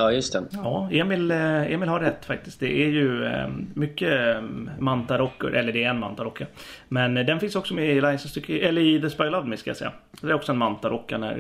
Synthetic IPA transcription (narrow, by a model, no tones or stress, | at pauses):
ɑːjɵst̪ɛjɑːeːmɪlḛːmɪlhaɾːɛt̪ːfak̚t̪ɪskt̪d̪ɛʔæɾjɵmʏkːə | mant̪aɾɔkːə̰ɾʔɛlːəɖɛːɾɛnma̰nt̪aɾɔkːamɛnd̪ɛnfɪnsɔksɔmɛɪlaɪjsɔnst̪ʏkʰːəɛlːəɾɪd̪ɛspɔʏlavd̪mɪskaja̰sɛjːa̰d̪ɛɾɔksɔɛnmant̪aɾɔkːaɳæ̰ɾ